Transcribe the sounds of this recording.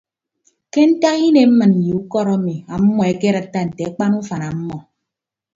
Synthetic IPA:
ke˦n̩˦ta˦ki˦ne˨m̩˦mɨ˨n̩˨ji˨u˦kɔ˦ɾɔ˦mi˨a˨m̩˦mɔ˨e˦ke˦ɾa˨tːa˦n̩˨te˨a˦k͡pa˦nu˦fa˨na˨m̩˦mɔ˨

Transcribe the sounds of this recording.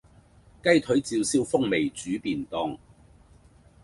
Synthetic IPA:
kɐ˥jt̪ʰɵ˨˥ɥt͡siː˧wsiː˥wfʊ˥ŋme˨˩jt͡syː˨˥piː˨nt̪ɔː˨˧ŋ

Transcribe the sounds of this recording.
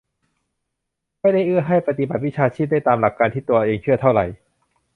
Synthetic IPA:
ma˥˩jda˥˩jʔɯ˥˩ɐɦa˥˩jpa˧t̪i˧ba˨˩t̪̚wi˦˥t͡ɕʰaː˧t͡ɕʰiː˥˩d̪a˥˩jt̪aː˧mla˨˩kːaː˧nt̪ʰiː˥˩t̪u˧ɐʔeː˧ŋt͡ɕʰɯ˥˩ɐt̪ʰa˥˩wɾa̰˨˩j

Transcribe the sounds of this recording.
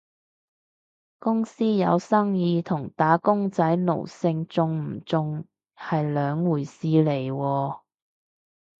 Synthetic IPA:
kʊ˥ŋsiː˥jɐ˨˧wsɐ˥ŋjiː˨˧t̪ʰʊ˨˩ŋt̪aː˨˥kʊ˥ŋt͡sɐ˨˥jlo̰˨˩wsɪ˧ŋt͡sʊ˧ŋm̩˨˩t͡sʊ˧ŋ | hɐ˨jlœː˨˧ŋwuː˨˩jsiː˨˧le˨˩jwɔː˧

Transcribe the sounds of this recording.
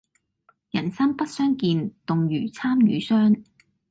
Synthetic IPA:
jɐ̰˨˩nsɐ˥ŋpɐ˥t̚sœː˥ŋkiː˧nt̪ʊ˨ŋjyː˨˩t͡sʰaː˥mjy̰ː˨˥sœː˥ŋ

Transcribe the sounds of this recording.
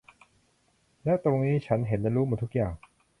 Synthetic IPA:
lɛː˦˥wt̪o˧ŋniː˦˥t͡ɕʰa˦˥nɦe˩˦nlɛː˧˥ɾuː˦˥muː˧˩t̪ʰu˦˥k̚jaː˨˩ŋ

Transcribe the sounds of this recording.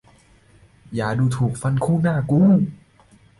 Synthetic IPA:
jaː˨˩duː˧t̪ʰuː˨˩k̚fa˧nkʰuː˥˩˨naː˥˩kuː˧˥˦

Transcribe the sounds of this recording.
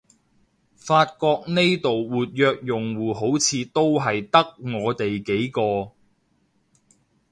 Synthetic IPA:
faː˧t̚kɔː˧k̚ne˥jt̪o˨wwuː˨t̚jœː˧k̚jʊ˨ŋwuː˨˩ɦo˨˥wt͡sʰiː˧t̪o˥wɦɐ˨jt̪ɐ˥k̚ŋɔː˨˧t̪e˨jke˨˥jkɔː˧

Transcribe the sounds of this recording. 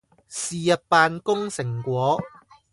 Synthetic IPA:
siː˨jɐ˨t̚paː˨˧nkʊ˥ŋsɪ˨˩ŋkʷɔː˨˥

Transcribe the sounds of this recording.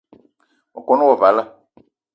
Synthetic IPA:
ɔ̰˨kɔ˨˦nʊ̃˦wɔ˨va˨˦la˦

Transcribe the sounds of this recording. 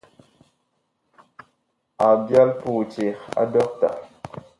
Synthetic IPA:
a˨bja˦lpu˨t͡ʃi˨xa̰˨˦dɔ˦k̚ta̰˨

